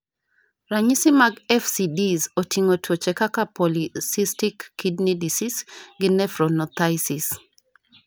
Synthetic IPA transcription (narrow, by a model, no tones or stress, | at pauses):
raɲisɪmaɡɛfsidizotʰiŋotwot͡ʃɛkakapɔlisistikːidnidisisɡɪnɛfɾɔnɔt̪ajsis